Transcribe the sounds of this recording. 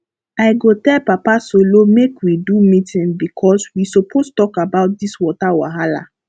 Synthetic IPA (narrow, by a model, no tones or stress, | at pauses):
aɪɡotɛlpapasolomekwidumĩtĩnbikʰɔswisopʰostɔkabaʊt̚diswɔtawa̰ɦala̰